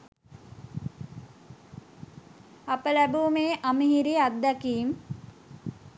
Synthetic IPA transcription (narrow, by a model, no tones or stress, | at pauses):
apəlæbuːmeːʔaməɦiɾiad̪ːakiːm